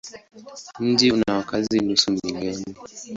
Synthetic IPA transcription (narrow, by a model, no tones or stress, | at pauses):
n̩d͡ʒinawakazinusumilɛni